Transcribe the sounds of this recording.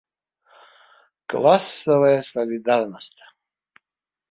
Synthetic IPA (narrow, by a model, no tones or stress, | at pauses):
kʼlˠasɔvajasɔlʲid̪aɾnɔst̪